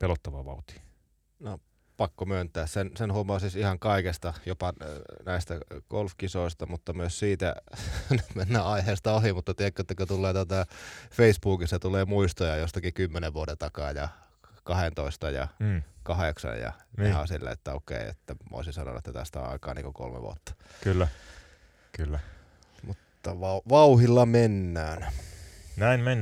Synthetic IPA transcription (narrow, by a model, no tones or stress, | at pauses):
pelot̪ːɑʋɑʋɑut̪i̥ | no | pɑkːomønt̪ˑæːssensenhuomˑɑːsisihɑŋkɑikest̪ɑjopɑnæist̪æɡolfkisoˑist̪ɑmut̪ːɑmyøssiːt̪ænmenːæɑiheːst̪ɑohimut̪ːɑt̪iekːøet̪ːækøt̪ulːeːt̪ot̪ɑfeisbuːkisːɑt̪uleːmuist̪ojɑjost̪ɑkikymːeneʋʋuodent̪ɑkɑːjɑ | kɑhent̪oist̪ɑjɑ̰kɑheksɑ̰jjɑ̰ehɑ̰silːḛḛt̪ːæokḛˑiḛt̪ːæmo̰ˑisinsɑno̰n̰ːet̪ːæt̪æ̰st̪æo̰nɑ̰ikɑ̰ːnḭŋkoko̰lmḛʋṵo̰t̪ːɑ̥ | kylːæ | kylːæ | mut̪ːɑʋɑʋɑuhilːɑmenːæːn | næinmenː